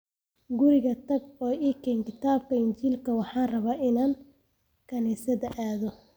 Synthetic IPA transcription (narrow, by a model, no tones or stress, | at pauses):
ɡʊɾɪɣɐt̪ʰɐɡ̚ɔːʔiːkʰɛːŋkʰɪt̪ʰaːb̚kʰɐɪɲt͡ʃiːlkʰɐwɑħɑːrɐβaːʔɪnaːn | kʰɐniːsɐðɐʔaːðɔ